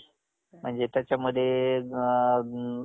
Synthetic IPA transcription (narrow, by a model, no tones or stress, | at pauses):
m̤əɳd͡zet̪jat͡ɕaməd̪ʱːje